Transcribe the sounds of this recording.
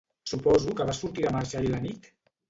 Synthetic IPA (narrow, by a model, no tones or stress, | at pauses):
supɔzukəβasuɾt̪iɾamaɾʒalilanit̪